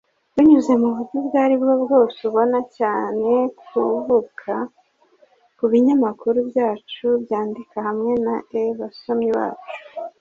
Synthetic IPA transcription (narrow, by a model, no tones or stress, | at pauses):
wuɲuze̞muβutubɡaːɾibɡobɡo̞ːsuβo̞nacaːne̞kʰuvukʰa | kuβiɲamakuɾubjaːt͡ʃubjaːndikahamŋe̞naeβaso̞mɲiβa̰ːt͡ʃu̥